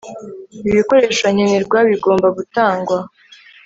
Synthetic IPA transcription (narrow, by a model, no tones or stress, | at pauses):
iβiko̞ɾe̞ːʃaɲeniɾɡwaβiɡo̞ːmbaɡutaːŋɡwa